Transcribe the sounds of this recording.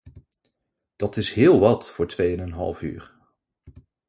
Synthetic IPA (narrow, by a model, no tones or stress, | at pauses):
d̥ɑtɪsɦɪːlˠʋɑtfʊːɹtʋejənɛnɦɑ̰lˠfy̰ːɹ